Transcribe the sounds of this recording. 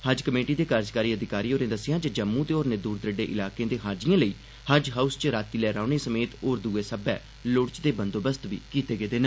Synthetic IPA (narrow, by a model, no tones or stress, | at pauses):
həd͡ʒkəmeːʈiːd̪eːkaːɾd͡ʒkaːɾiːəd̪ɪkaːɾiːoːɾẽːd̪əsɪjãːd͡ʒəd͡ʒəmːũːt̪eːoːɾneːd̪uːɾd̪ɾəɖeːʔɪlaːkẽːd̪eːɦaːd͡ʒɪjãːləiː | həd͡ʒɦaːust͡ʃɾaːt̪iːlɛːɾaːʊneːsəmeːt̪oːɾd̪uːeːsəbɛː | lʊɽt͡ʃd̪eːbənd̪oːbəst̪ʋḭːkiːt̪eːɡeːd̪eːnə